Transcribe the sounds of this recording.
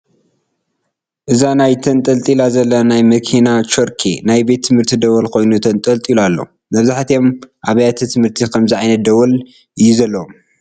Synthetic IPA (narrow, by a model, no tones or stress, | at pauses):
ʔɨzanajt̪ʰɐnt̪ʼɐlt̪ʼilazɐlːɐnajmɐkʰinat͡ʃoɾkʰḛnajbe̞t̪ʰːɨmhɨɾt̪ʰid̪ɐwɐlkʰo̞jnut̪ʰɐnt̪ʼɐlt̪ʼilalːo̰ | mɐβzaħt̪ijo̞mʔaβɐjat̪ʰit̪ʰɨmhɨɾt̪ʰikʰɐmzɨʕajnɐt̪̚d̪ɐwɐl | ɨjːuzɐlːɐwom